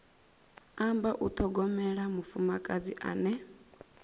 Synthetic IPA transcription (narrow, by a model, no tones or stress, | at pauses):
ambaʔut̪ʰɔɡɔmɛɺamufumakʼad͡ziʔa̰ːnɛ